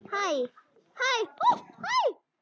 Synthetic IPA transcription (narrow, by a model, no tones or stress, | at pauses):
haj | hajhaj